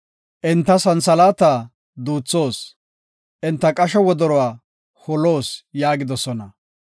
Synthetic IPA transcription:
ʔɪnt̪ːɐsɐnsɐlaːt̪aː | d̪uːt͡sːo̞ːs | ʔɪnt̪ːɐkʼɐʃɛwɔd̪ɔɾɔwaː | hɔloːsjaːɡɪd̪ɔsɔnɐ

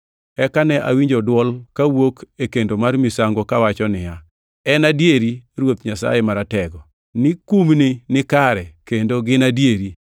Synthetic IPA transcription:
ɛkanɛʔa̰wiɲd͡ʒodwɔlkawokekendomarmisaŋɡokawat͡ʃɔnɪja | ɛnadjeɾiɾwot̪ɲasa̰jɛmaɾatɛɡɔ | nɪkumnɪnɪkaɾɛkendoɡɪnadjeɾi

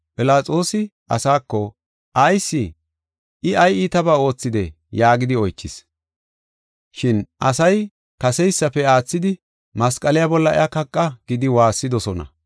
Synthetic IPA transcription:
pʼɪlaːt͡sʼo̞ːsɪ | ɐ̰saːkːɔ | ʔɐjsːɪ | ʔɪɐjit̪ɐbaːo̞ːt͡sːɪd̪ɛ | jaːɡɪd̪ɪɔjt͡ʃːɪs | ʃɪnʔɐsɐj | kɐsɛjsːɐpɛaːt͡sːɪd̪ɪ | mɐskʼɐlɪjabɔlːɐɛ̰ɐkɐkʼːɐɡ̥ɪd̪ɪwaːsːɪd̪ɔsɔnɐ̰

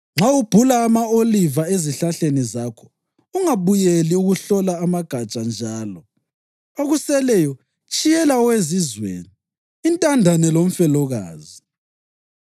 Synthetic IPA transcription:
ŋ͡ǁawub̥ʱulaːmaolivaeziɬaɬenizakʰɔ̥ | uŋaβujeliuɣuɬɔlaːmaɡ̥ʱat͡ʃʼand͡ʒʱaːlɔ | oɣusɛlɛjɔ | t͡ʃʼijɛlawezizwḛːniː | ntʼandʱanɛlom̩fɛlɔɣa̰ːzi

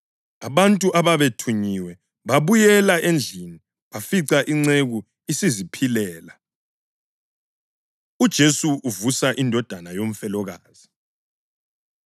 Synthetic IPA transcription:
aβantʼuʔaβaβetʰuɲiwɛ | βaβujɛlaʔend͡ɮʱini | βafiǀaʔiŋ͡ǀeɣu | isizipʰilɛːla | ud̥ʒ̥ʱesuʔuvusaʔindʱɔd̥ʱanajom̩fɛlɔɣaːz̥i

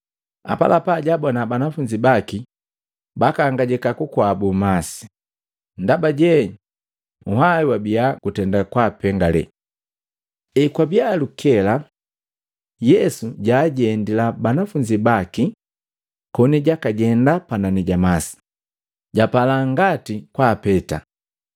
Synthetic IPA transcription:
a̰pa̰lʔapaɟabɔnabanafuɲd͡ʒibaki | bakaŋɡaɟɛkakukwabumasi̥ | ndabaɟɛ | uhaiwabiaɡ̥utɛndakwapɛŋɡalɛ̰ | ɛkwabialukʰɛla | jɛsuɟaːɟɛndilabanafuɲd͡ʒibaki | kɔniɟakaɟɛndapananiɟamasi̥ | ɟapalaŋɡatikwaːpɛta

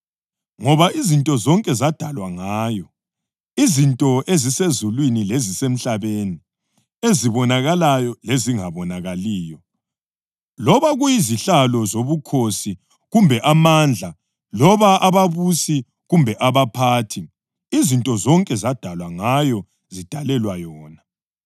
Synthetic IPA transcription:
ŋɔβaizintʼɔzɔŋkʼɛzad̥ʱalwaŋaːjɔ | izintʼɔʔezisezulwinilezisem̩ɬaβeni | eziβɔnaɣalajɔleziŋaβɔnaɣaliːjɔ | lɔβaɣujiziɬalɔzoβukʰosi | ɣumbʱɛʔamand͡ɮʱa | lɔβaʔaβaβusi | ɣumbʱɛʔaβapʰaːtʰi | izintʼɔzɔŋkʼɛzad̥ʱalwaŋajɔ | zid̥ʱalɛlwajɔːna

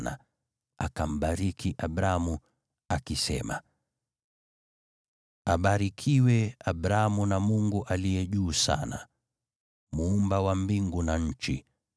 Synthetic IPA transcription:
na̰ | akam̩ɓaɾikʰiʔabɾamu | akisɛ̰ma̰ | aɓaɾikʰiwɛabɾamunamuŋɡuʔalijɛʄuːsa̰na̰ | muːmbawambiŋɡunaɲ̩t͡ʃi

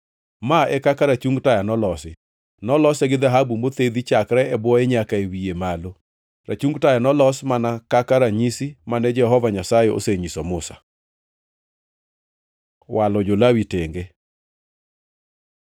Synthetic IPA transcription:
maɛkakaɾat͡ʃuŋɡtajanɔlɔsɪ | nɔlɔsɛɡɪd̪aɦabumbot̪ed̪it͡ʃakɾɛɛbwɔeɲakaewiemalo | ɾʔa̰t͡ʃuŋɡtajanɔlɔsmanakakaɾaɲisimanɛd͡ʒɛɦɔvaɲasajeo̰seɲisɔmʊsḁ̰ | wʔalɔd͡ʒolawiteŋɡe

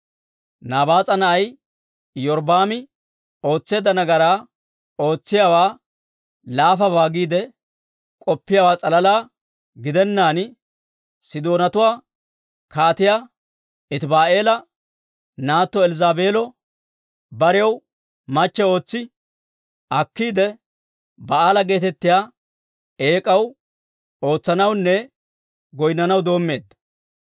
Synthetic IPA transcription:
naːbaːt͡sʼɐnɐʔɐj | jɔɾb̪aːmɪ | o̞ːt͡sːe̞ːd̪ɐnɐɡɐɾaː | o̞ːt͡sːɪjawaː | laːfɐbaːɡiːd̪ɛ | kʼɔpːɪjaːwaːt͡sʼɐlɐlaː | ɡɪd̪ɛnːaːn | sɪd̪o̞ːnɐt̪ʊwaː | kaːt̪ɪja | ɪt̪baːʔe̞ːlɐ | naːt̪ːɔɛlɪzaːbe̞ːlɔ | bɐɾɪjɐw | mɐt͡ʃːɛo̞ːt͡sːɪ | ɐkːiːd̪ɛ | bɐaːlɐɡe̞ːt̪ɛt̪ːɪjaː | e̞ːkʼɐw | o̞ːt͡sːɐnɐwnːɛ | ɡɔjnːɐnɐwd̪o̞ːmːe̞ːd̪ːɐ̥

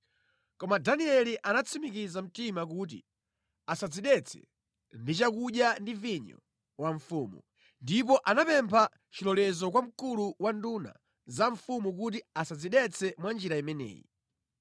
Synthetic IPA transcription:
kɔmadaniɛliʔanat͡sʰimik̬izam̩timak̬ut̬ḭ | asad͡ziɗɛt͡sʰɛ̥̰ | ndit͡ʃakuɗjandiviɲɔ̰ | waɱfumṵ | ndip̬ɔʔanapɛmpʰa | t͡ʃilɔlɛzɔk̬wam̩kuluwanduna̰ | zaɱfumuk̬ut̬iasad͡ziɗɛt͡sʰɛmwand͡ʒiɾaimɛnɛ̰ːji

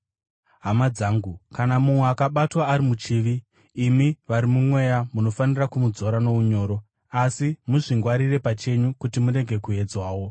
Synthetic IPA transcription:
ɦamad͡zaːŋɡukanamumweakaɓatwaːɾimut͡ʃiːʋiː | miʋaɾimumwe̞jamuno̞fanirakumud͡zo̞ɾano̞uɲo̞ːɾo̞ | asimuʐiŋɡwaɾire̞pat͡ʃe̞ɲukutimuɾe̞ɡʱe̞kue̞d͡zwaːwo̞

